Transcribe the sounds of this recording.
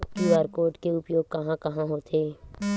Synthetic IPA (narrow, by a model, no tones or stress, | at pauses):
kiaːɾkoːɾʈkeʊpjoːɡ̚kɐɦãkɐɦãɦot̪ʰeː